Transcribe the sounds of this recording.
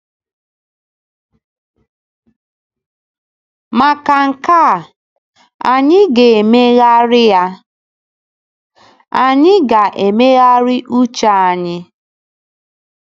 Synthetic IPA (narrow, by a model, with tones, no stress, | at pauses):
ma˨ka˨ŋ̩˨ka˦˨ | a˨ɲɪ˦ɡe˨e˨me˦ɣa˦ɾɪ˦ja˦ | a˨ɲɪ˦ɡa˨ʔe˨me˦ɣa˦ɾɪ˦ʔu˦t͡ʃa˦a˨ɲɪ˦